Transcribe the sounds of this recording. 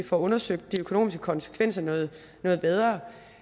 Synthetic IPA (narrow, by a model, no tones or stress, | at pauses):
ifɒɔ̽nɐsøɡ̥̚d̥ːiøkʰo̝o̰ːmisɡ̥əkʰɒ̽nsə̥kʰʋen̰sɐnɔ̽ːð̩ˠ | nɔ̽ːð̩ˠb̥eð̞ˠʁɐː